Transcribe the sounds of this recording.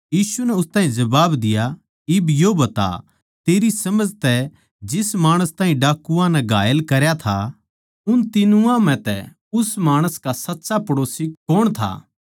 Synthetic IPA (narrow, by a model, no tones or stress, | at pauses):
jiːsunɛʊst̪ãːɦĩd͡ʒɐbaːbd̪ɪja | ɪbjobɐt̪a̰ | t̪eːɾisɐməd͡ʒt̪ɛ | d͡ʒɪsmaːɽ̃əst̪ãːɦĩɖaːkːuãnɛɡʱaːjəlkɐɾjat̪ʰa | ʊnt̪ɪnuãmɛ̃t̪ɛ̰ | ʊsmaːɽ̃əskasɐtːsapɐɽoːsikoːɽ̃t̪ʰa̰ː